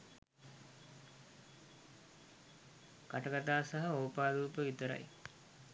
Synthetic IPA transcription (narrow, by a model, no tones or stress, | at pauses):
kaʈəɡat̪aːsaɦaoːpaːd̪uːpəʋit̪əɾa̰j